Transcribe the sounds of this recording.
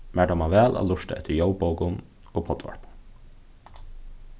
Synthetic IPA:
mæːʈ̪amaʋɛːlʔa̰lʊʂt̪a̰ɛht̪ɪɹjowpowkʊn | opʰɔt̪ʋa̰ɹpʊ̥n

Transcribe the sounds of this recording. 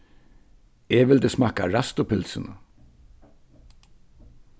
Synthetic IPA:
eʋɪlt̪əsmɑːkaɾast̪ʊpʰɪlsɪnə

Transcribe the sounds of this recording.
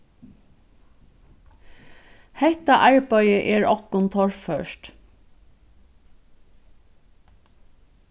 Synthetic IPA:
hɛt̪ɑʔæɹbœʏəʔeːɹɔkʊnt̪ʰɔɹføːʃt

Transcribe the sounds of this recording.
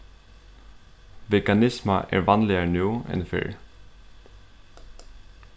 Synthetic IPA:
ʋɛkanɪsmaʔɛ̰ɹʋɑnlɪanʉːɛ̰nfɪ̰ɹ

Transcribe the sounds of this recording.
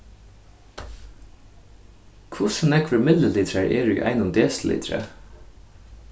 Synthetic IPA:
kʰʊsnɛkʰʋəmɪd̪ləlɪt̪ʰɾəɹʔeːɹʉ̰ːʔæ̰ɪnʊmd̪eːsl̩ɪ̰t̪ʰɾə̰

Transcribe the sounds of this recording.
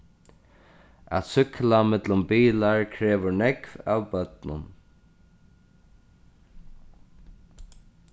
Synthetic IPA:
a̰t̪sʏklamɛt̪lʊmbiːlaɹkʰɾɛːʋʊɹnɛkva̰ːwbœt̪nʊ̰n

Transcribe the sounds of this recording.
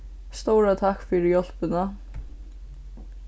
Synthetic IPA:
st̪owɾat̪ʰahkfɪɾɪjɔl̥pɪna

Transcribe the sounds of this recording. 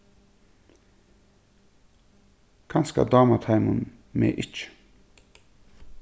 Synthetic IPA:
kʰɑnska̰d̪ɑːmat̪ʰajmun | mḛːʔɪt͡ʃ

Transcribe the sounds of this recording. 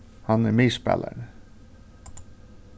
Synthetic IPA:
hɑnæmeːspɛ̰lə̰ɳ

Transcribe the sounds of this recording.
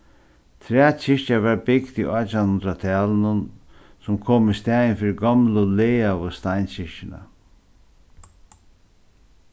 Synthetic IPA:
t̪ʰɾɛːt͡ɕɪʂcaʋaɹbɪkt̪ḭʔɔt͡ʃanhʊnd̪ɾat̪ʰæːlnʊn | sʊmkʰoːmist̪ɛːjɪnfiːɾɪɡɔmlʊleːavʊst̪aɪnɕɪʂcɪna̰

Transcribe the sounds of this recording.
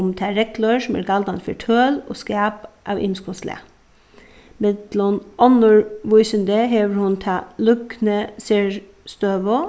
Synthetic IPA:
mt̪ʰæɾɛklɔɾsɔmæ̰ːɾkʰɑld̪ɑnfœʈʰøːlo̰ːskæːpʔɑ̰ːʋɪ̰mskʰɔslḛ | mɛd̪lɔnɔnʊɹʋʊɪsənd̪eɦeːʋəɾhʊnt̪ʰɑːlʉknəseɹ | st̪øːʋo

